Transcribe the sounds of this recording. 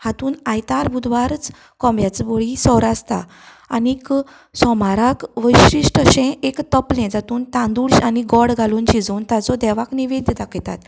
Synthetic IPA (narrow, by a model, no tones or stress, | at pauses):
hat̪uːnajt̪aɾbʱud̪ʋaɾt͡s | kɔ̃mbjat͡sboɭisɔɾast̪a̰ | a̰nik | sɔmaɾakʋəjɕɾiʂʈəɕɛ̃ekt̪əplẽd͡zat̪uːnt̪ãnd̪uɭɕaniɡɔɽɡʱaluːnt͡ɕid͡zont̪at͡sɔd̪ɛʋakniʋed̪ʱt̪akʰet̪a̰t̪